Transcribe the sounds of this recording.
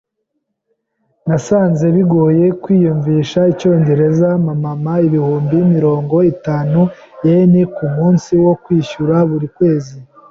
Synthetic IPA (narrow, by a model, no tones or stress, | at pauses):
nasaːnze̞βiɡoːje̞kwiːjuɱviːʃait͡ʃo̞ːɲɟe̞ɾe̞zamamamaiβihuːmbimiɾo̞ːŋɡo̞itaːnu | jenikumuːnsiwo̞kwiːʃuɾaβuɾikwe̞ːzi